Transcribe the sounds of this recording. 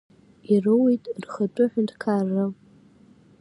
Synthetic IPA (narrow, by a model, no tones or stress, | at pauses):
irɨwejtʼrχaʈ͡ʂʷʼʊħʷᶣʊntʰʼkʰarːɨm